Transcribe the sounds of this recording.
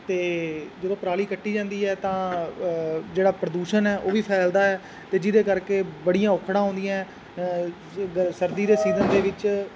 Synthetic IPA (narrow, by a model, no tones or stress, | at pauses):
t̪eːd͡ʒəd̪õːpəɾaːliːkəʈːiːd͡ʒãːnd̪iːɛːt̪ãː | d͡ʒeːɽaːpɾəd̪uːʃənɛːʔoːʋiːpʰɛːld̪aːɛː | t̪eːd͡ʒɪd̪eːkəɾkeːbəɽijãːʊkʰɽãːɦõːnd̪ɪjãː | səɾd̪iːd̪eːsiːzənd̪eːʋɪt͡ʃ